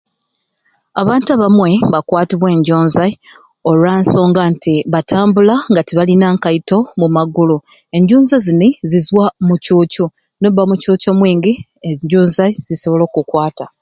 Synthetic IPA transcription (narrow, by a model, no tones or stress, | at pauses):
aβaːntuaβamwe̞βakwaːtiβwe̞ːɲɟoːnza | olwanso̞ːŋɡantiβatʰaːmbulaŋɡatiβalinaːŋkaito̞mumaɡulu | e̞ɲɟuːnzazinizizwamucucu | noβːamucuːcomwiːŋɡi | eɲɟoːnzaz̥iso̞βlo̞ːkukwaːta